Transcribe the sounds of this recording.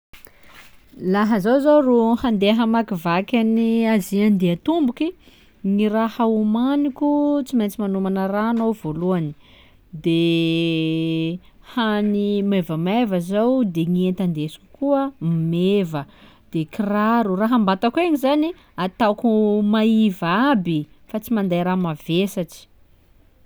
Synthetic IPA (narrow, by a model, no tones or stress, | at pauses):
laɦəzowzoruhand̪eɦəmakivakʲaniaziand̪eat̪umbuki | ŋirahaumanikʲut͡siment͡simanumanəranowvoluani̥ | d̪e | hanimevəmevəzawd̪eŋient̪and̪esu̥ku̥kuəmmevə | d̪̥ekiraɾuraɦambat̪akueŋizani | at̪akumaivabi | fat͡simand̪ajɾamavesaʈ͡ʂi̥